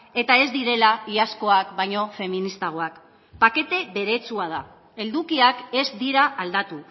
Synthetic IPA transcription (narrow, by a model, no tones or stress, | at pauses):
e̞t̪ae̞zd̪iɾe̞laiasko̞akbajɲo̞fe̞minist̪aɣ̞o̞ak | pake̞t̪e̞βe̞ɾe̞t͡suað̞a | e̞ld̪ukiake̞zd̪iɾaːld̪at̪u